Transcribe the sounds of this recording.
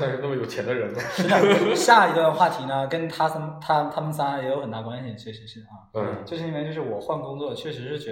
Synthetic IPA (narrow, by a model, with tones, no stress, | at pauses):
ʂɻ̩˥˧na˥˩mə˩jo˨˩ʊt͡ɕʰjɛ˧˥nd̪ə˧ɻə˧˥n˧ʂɻ̩˥ɑ˥˩˥ɕja˥˩i˧˥ɡə˧xwa˥˩t̪ʰi˧˥nə˧kə˥nt̪ʰa˥sʰə˥t̪ʰa˥t̪ʰa˥mə˨nsa˥a˧˥jɛ˧˥jo˧ʊxə˨˩nt̪a˥˩kwa˥nt̪ʰjɛ˨˩t͡ɕʰɥɛ˥˩ʂɻ̩˧˥ʂɻ̩˥˩ɐ˥˧˩t͡ɕɤ˥˩ɕʰi˥˩˧ɛ˧˥nt͡ɕjʊʂɻ̩˥˩wɔ˨˩xwa˥˩nkʊ˥ŋt͡swɔ˥˧t͡ɕʰɥɛ˥˩ʂɻ̩˧˥ʂɻ̩˥˩t͡ɕɥɛ˧˥